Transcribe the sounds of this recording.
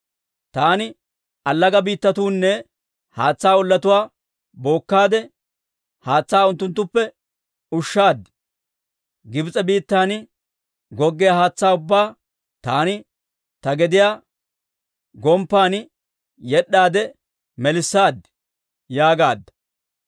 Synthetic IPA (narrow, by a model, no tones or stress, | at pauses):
t̪aːnɪ | ɐlːɐɡɐbiːt̪ːɐt̪uːnːɛ | haːt͡sːaːʊlːɐt̪ʊwaː | bo̞ːkːaːd̪ɛ | haːt͡sːaːʊnt̪ːʊnt̪ːʊpːɛ | ʊʃːaːd̪ | ɡɪbt͡sʼɛbiːt̪ːaːn | ɡɔɡːɛjahaːt͡sːaːʊbːaː | t̪aːnɪ | t̪ɐɡɛd̪ɪjaː | ɡɔmpːaːn | jɛɗːaːd̪ɛ | mɛlɪsːaːd̪ | jaːɡaːd̪ːɐ̥